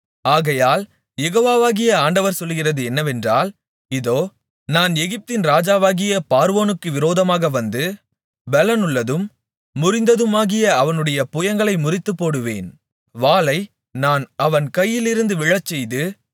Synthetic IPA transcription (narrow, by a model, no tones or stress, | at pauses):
aːɣɐjaːl | jɛɣoːʋaːʋaːɣɪjɐaːɳɖɐʋɐɾsɔlːɣɪrɐðɯɛnːɐʋɛndraːl | ɪðoː | naːnɛɣɪp̚t̪ɪnɾaːd͡ʒaːʋaːɣɪjɐpaːɾʋoːnɯkːɯʋɪɾoːðɐmaːɣɐʋɐnd̪ɯ | bɛlɐnɯɭːɐðɯmː | ʊɾɪnd̪ɐðɯmaːɣɪjɐɐʋɐnɯɽɐjɐpʊjɐŋɡɐɭɐɪmʊrɪt̪ːɯpːoːɽɯʋḛːn | ʋaːlɐɪ | naːnɐʋɐnkɐjːɪlɪɾɯnd̪ɯʋɪɭɐt͡ʃːɛjðɯ